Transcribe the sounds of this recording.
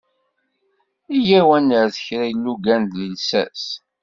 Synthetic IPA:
ijæwænːəɾθə̥çɾæjəlːuɡænd̪ləlsæ̰s

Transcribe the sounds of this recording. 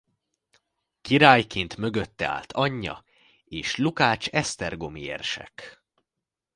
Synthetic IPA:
kiɾaːjkint̪mø̞ɡøt̪ːɛa̰ːlt̪ʰɒɲːɒ̰ | eːʃlukaːt͡ʃɛst̪ɛrɡo̞miḛːrʃɛ̰k

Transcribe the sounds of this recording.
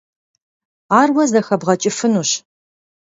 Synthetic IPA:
aːrwɐzɐxɐbʁɐt͡ʃʼɪfɨnuːɕ

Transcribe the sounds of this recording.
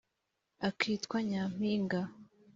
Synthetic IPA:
akʰiːtkwaɲaːm̥iːŋɡa

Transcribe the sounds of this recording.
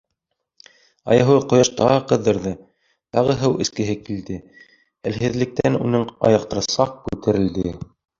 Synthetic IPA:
ɑ̰jɑɦɤqŏjɑʃt̪ɑʁɤqɤ̆ðːɤ̆ɾðɤ | t̪ɑʁɤɦɤwʔɘ̆skɘ̆ɦɘkild̪ɘ | ɘ̆lhɦɘ̆ðlɘ̆k̚t̪ænunɤɴɑ̰jɑq̚t̪ɤ̆ɾsɑq̚kʉt̪ɘ̆ɾɘ̆ld̪ɘ

